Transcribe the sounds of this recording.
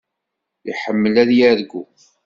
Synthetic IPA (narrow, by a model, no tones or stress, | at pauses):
iħəmːəlæðjæðɡu